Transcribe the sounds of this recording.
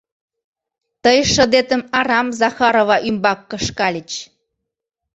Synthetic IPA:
t̪əjʃə̆d̪et̪ə̆mɑɾɑmzɑxɑɾovɑʔymbɑkːə̆ʃkɑlʲət͡ɕ

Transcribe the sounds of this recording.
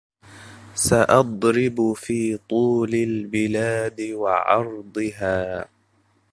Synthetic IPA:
saʔɑd̪ˤɾɪbfiːt̪ˤuːlɪlbɪlaːd̪ɪwɑʕɑ̰ɾˤd̪ˤɨɦaː

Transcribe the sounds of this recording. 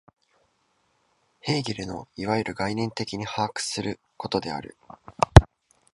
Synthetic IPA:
he̞ːɡʲiɾɯ̟no̞̰iβajɯɾʔɯ̟ɡainẽ̞nt̪e̞kʲiɲ̟ihaːkɯ̟̥sɨɾɯ̟ | ko̞t̪o̞d̪e̞a̰ɾɯ̟̰

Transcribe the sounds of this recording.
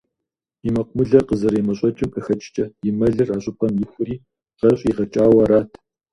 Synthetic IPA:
imɐqʷmɨɮɐqəzɐɾeːmɐɕʼɔt͡ʃʼɪmʔɨxɐt͡ʃʼt͡ʃʼɐjɪmɐɮɨraːɕʼʊpʰɐmjɪxʷɨiː | qɐɕʼiːʁɐt͡ʃʼaːwɐɾaːtʰ

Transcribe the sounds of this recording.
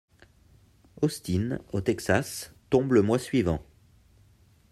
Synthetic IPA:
ɔst̪inot̪ɛksast̪ɔ̃bləmwasɥivɑ̃

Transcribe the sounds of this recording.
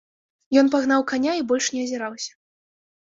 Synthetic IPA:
jɔnpaɣn̪awkanʲaibɔlʲʂnʲɛɐzʲɛɾawsʲɐ̥

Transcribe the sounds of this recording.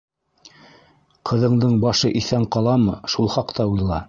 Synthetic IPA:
qʰɤ̆ðɤ̆ɴd̪ɤɴbɑʃɤʔiθæɴqɑlˠɑmɤʃulˠχɑqt̪ɑujlˠɑ̰

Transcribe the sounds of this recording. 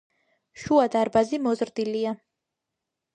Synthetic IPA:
ʃuad̪aɾbazimɔzɾd̪ilia

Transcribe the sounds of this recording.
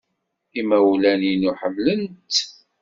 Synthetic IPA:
imæwlæninuħəmːlənt̪

